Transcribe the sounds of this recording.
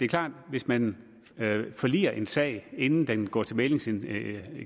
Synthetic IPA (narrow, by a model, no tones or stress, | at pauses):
d̥e̝ːɐkʰl̥ɑ̰̈ːd̥ʋe̝smæn | fɒ̽lḭːɐʔe̝nsɛ̰ɪ̰e̝nn̩d̥enɡ̥ɒ̰ːt͡sʰe̝lmele̝ŋsn